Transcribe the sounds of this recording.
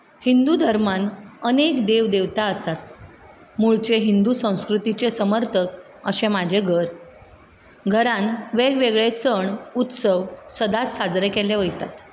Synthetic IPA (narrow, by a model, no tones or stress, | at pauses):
hind̪ud̪ʱəɾmanənekd̪eʋd̪eʋt̪aəsat̪ | muɭt͡ɕeɦind̪usə̃w̃skɾut̪it͡ɕesəməɾt̪ʰək | əɕemad͡ʑʱeɡʱəɾ | ɡʱəɾãnʋeɡʋeɡɭesəɳut̪səʋsəd̪at͡ssad͡zɾekeleʋəjt̪at̪